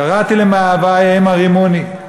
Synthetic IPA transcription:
aʁat̪ilemaaːvajaimaʁimoni

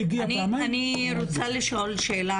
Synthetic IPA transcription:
ɡniɐni | ɾut͡sʰɐlʃoːlʃeːla

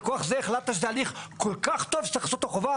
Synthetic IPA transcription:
koaχzeːχlat̪aʃezealiχkolkaχt̪o̞vsaχsut̪aχova

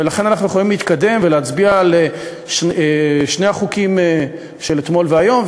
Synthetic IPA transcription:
velaχe̞nanaχnujeχolimliːt̪kad̪e̞mveleat͡sbiale | ʃeʃnejaχukim | ʃe̞let̪mo̞lveajo̞m

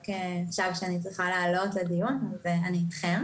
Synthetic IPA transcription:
keχʃavʃeanit͡sʁiχaleːlo̞tledijunzeaniːt̪χem

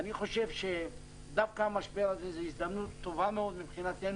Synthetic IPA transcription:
aniχo̞ʃevʃe | d̪afkaamaʃbealazezeisd̪amnut̪ːo̞vameo̞d̪mipχinat̪en

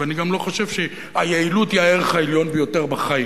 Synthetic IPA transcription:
aniɡamlo̞χoʃevʃe | ajeilutiaeʁeχaeljo̞nbejo̞te̞ʁbaχai

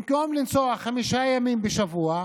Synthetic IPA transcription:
mkomlimt͡soaχamiʃajamimbeʃavua

